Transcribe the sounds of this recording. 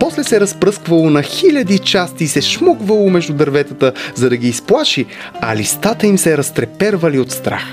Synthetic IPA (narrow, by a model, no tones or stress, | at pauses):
pɔslɛsɛɾɐspɾɤskvɐlˠonɐxilʲɐd̪it͡ʃast̪iːsɛʃmokvɐlˠomɛʒd̪ud̪ɐɾvɛt̪ət̪əzɐd̪ɐɡiːsplˠaʃi | ɐlist̪at̪əimsɛɾɐst̪ɾɛpɛɾvɐliot̪st̪ɾa̰x